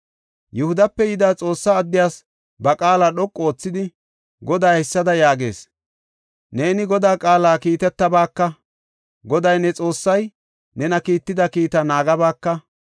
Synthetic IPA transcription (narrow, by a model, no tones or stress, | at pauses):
jʊhʊd̪ɐpːɛjɪd̪aːt͡sʼo̞ːsːaːd̪ːɪjaːs | bɐkʼaːlaːɗɔkʼːoːt͡sːɪd̪ɪ | ɡɔd̪aːhɛsːɐd̪ɐjaːɡe̞̰ːs | ne̞ːnɪɡɔd̪aːkʼaːlaːkiːt̪ɛt̪ːɐbaːkːɐ | ɡɔd̪ɐjnɛt͡sʼo̞ːsːɐj | nɛnɐkiːt̪ːɪd̪ɐkiːt̪ɐnaːɡɐbaːkːɐ